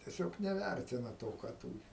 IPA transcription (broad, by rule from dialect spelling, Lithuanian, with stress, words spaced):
tʲiɛˈsʲoːk nʲɛˈʋʲærʲtʲɪnɐ ˈtoː kɑː ˈtuːrʲɪ